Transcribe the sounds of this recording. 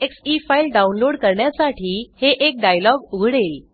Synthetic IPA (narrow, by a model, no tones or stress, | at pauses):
eksifailɖaunloɽkəɾɳjasaʈʰiːheʔek̚ɖajlɔɡuɡʱɽel